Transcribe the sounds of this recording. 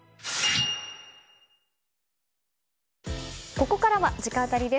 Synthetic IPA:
ko̞ko̞kaɾaβad͡ʑikãt̪aɾʲid̪e̞

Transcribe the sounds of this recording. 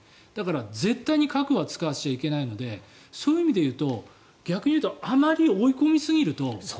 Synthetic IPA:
d̪̥akaɾad͡ze̞t̪ːaiɲ̟ikakɯ̟βat͡sɨ̥kaβɕt͡ɕaike̞naino̞d̪e̞ | soːjɯ̟imʲid̪e̞jɯ̟ːt̪o̞ | ɡʲakɯ̟ɲ̟iɯ̟ːt̪oamaɾʲio̞iko̞mʲisɨɡʲiɾɯ̟t̪o̞

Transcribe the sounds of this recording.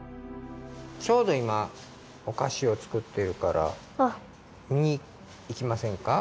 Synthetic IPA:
t͡ɕo̞ːd̪o̞ima | okaɕio̞t͡sɨ̥kɯ̟t̪ːe̞ɾɯ̟kaɾa̰ | miɲ̟iː | kʲimasẽ̞ŋka

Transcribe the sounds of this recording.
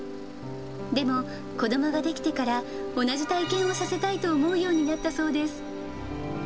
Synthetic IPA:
d̪e̞mo̞ | ko̞d̪o̞mo̞ɡad̪e̞kʲi̥t̪e̞kaɾa | o̞naʑit̪aikẽ̞ɰ̃o̞sase̞t̪ait̪o̞ːmo̞ɯjo̞ːɲ̟inat̪ːaso̞ːd̪e̞sɨ̥

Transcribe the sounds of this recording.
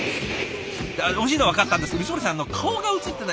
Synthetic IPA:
aoɕ̬iːnoaβakat̪ːãnd̪eskeisoɾʲisãnːo̞kʰaoɡaɯ̟t͡sɨt̪ːena

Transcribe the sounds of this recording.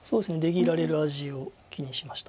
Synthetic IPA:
so̞ːdesɨne̞d̪e̞ɡʲiɾaɾe̞ɾɯ̟aʑio̞ | kʲiɲ̟iɕimaɕi̥t̪a

